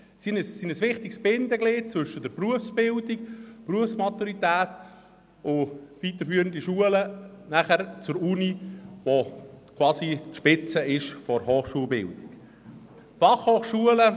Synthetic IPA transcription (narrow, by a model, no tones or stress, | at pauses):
sinsinəsʋɪχtɪɡsb̥ɪnd̪əɡlet̚t͡svɵʃədɛɾpruəfsb̥ɪldikpruəfsmat̪uɾit̪æːt | ʊvit̪əfyːəɾəndiʃuələnæχəɾt͡sʊɾuniʋokʰwɑːsitʃpɪt͡səɪʃfɔɾɦoːχʃuəlbɪ̰ldɪk | fɑχhoːχʃuələ